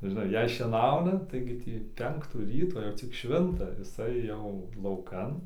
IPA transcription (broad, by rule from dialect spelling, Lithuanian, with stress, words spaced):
ʒʲɪˈnɐɪ ˈjɛɪ ʃʲiɛˈnɐʊnɐ ˈtɐɪɡʲɪ tʲiː ˈpʲɛŋktuː ˈrʲiːtoː jɛʊ ˈt͡sʲɪk ˈʃʲʋʲɪntɐ jɪˈsɐɪ jɛʊ lˠɐʊˈkɐn